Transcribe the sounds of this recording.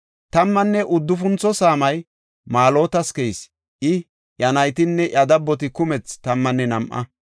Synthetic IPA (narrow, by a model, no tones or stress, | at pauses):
t̪ɐmːɐnːɛʔʊd̪ːʊfʊnt͡sɔsaːmɐj | maːlo̞ːt̪ɐskɛjs | ʔɪ | jɐnɐjt̪ɪnːɛʔɐd̪ɐbːɔt̪̬ɪkʊmɛt͡st̪ɐmːɐnːɛnɐmʔɐ̰